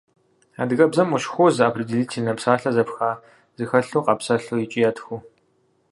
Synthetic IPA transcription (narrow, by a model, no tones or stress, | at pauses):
a̰ːdɨɣɐbzɐmuʃxʷɔzɨaːpʰridiɮiːtʰinɐpsaːɬɐzɐpxaː | z̥ɨxɐɬuːqʼɐpsɐɬujit͡ʃʼijɐtʰxʷu